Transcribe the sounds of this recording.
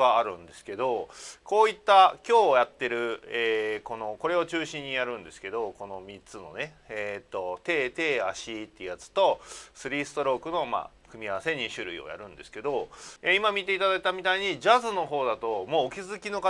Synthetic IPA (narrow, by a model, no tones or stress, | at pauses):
aaɾɯ̟̰̃nd̪e̞sɨ̥ke̞d̪o̞ko̞ːit̪ːakʲo̞ːjat̪ːe̞ɾɯ̟eːko̞no̞ko̞ɾe̞ot͡ɕɨːɕĩɲ̟ːijaɾɯ̟̃nd̪e̞sɨ̥ke̞d̪o̞ko̞no̞mʲit͡sɨno̞ne̞et̪ːo̞t̪e̞ːt̪e̞ːaɕit̪ːeɯ̟jat͡sɨ̥t̪o̞sɨɾʲiːsɨ̥t̪o̞ɾo̞ːkɯ̟no̞ma̰ːkɯ̟mʲiaβase̞ɲ̟iɕɨɾɯ̟ḭo̰ja̰ɾɯ̟̃nd̪e̞sɨ̥ke̞d̪o̞eimamʲit̪e̞it̪ad̪ait̪amʲit̪aiɲ̟id͡ʑazɨno̞ɦo̞ːd̪at̪o̞mo̞ːkʲizɨkʲino̞ka